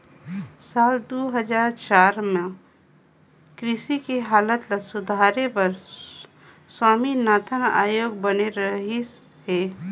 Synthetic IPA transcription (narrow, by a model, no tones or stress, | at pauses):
saːld̪oːɦəd͡ʒaːɾt͡ʃaːɾmẽ | kɾɪʃikeɦaːlət̪lɐsʊd̪ʱaːɾepɐɾ | swaːminaːt̪ʰəna̰ːjoːɡ̚bəneɾəɦe | ɦeː